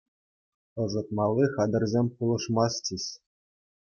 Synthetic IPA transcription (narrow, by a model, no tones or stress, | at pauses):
ɤ̆zɤ̆t̪mɑlˠːiχɑd̪ɤ̆rʲzʲemʲpulˠɤ̆ʂmɑstʲiɕʲ